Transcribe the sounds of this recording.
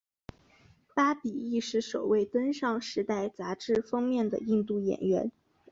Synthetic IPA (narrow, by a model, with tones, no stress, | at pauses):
pa˥pi˨˩i˥˧ʂɻ̩˥˩ʂo˨˩ʊwe˥˩ɪt̪ə˥nʂɑ˥˩ŋʂɻ̩˧˥t̪a˥˩ɪt͡sa˧˥ʈ͡ʂɻ̩˥˧fɤ˥ŋmjɛ˥˩nd̪ə̰˩i˥˧ŋt̪u˥˩jɛ̰˨˩nɥɛ˧˥n